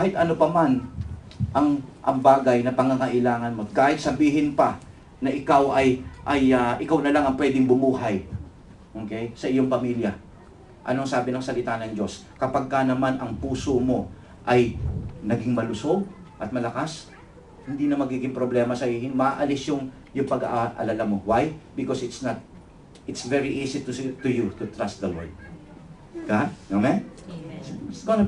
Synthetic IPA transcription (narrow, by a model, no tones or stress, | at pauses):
kaːhɪt̪ʔɐno̞pɐman | ʔɐŋʔɐ̰ŋbaːɡɐjnɐpɐŋaŋɐʔɪlaːŋɐnmo̞kaːhɪt̪̚sɐbiːɦɪnpɐ | nɐʔɪkawʔɐjʔɐjaʔɪkawnɐlaŋɐŋpwɛd̪ɪŋbʊmuːɦɐj | ʔo̞ːkɛjsɐʔɪjo̞ŋpɐmiljɐ | ʔɐ̰noŋsaːbɪnɐŋsɐlɪt̪anɐŋd͡ʒo̞s | kɐpaɡ̚kanɐmanʔɐŋpuːsomo̞ | ʔɐjnɐɡiŋmɐlʊso̞ɡ | ʔɐt̪̚mɐlɐkas | hɪnd̪iːnɐmɐɡiːɡɪŋpɾo̞blɛmɐsɐʔiːhɪŋmɐʔa̰ːʔɐlɪsjoŋ | jʊŋpɐɡa̰ʔʔɐ̰lɐlamo̞wajbɪkosɪt̪snɐt̪̚ | ɪt̪svɛɹiʔiːsit̪t̪ʊjut̪ʊt̪ɾast̪̚d̪ɐlo̰ld̪ | ɡanomɛn | sɡon